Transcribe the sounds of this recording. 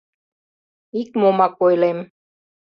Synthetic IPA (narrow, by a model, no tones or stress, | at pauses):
ikmomakojlem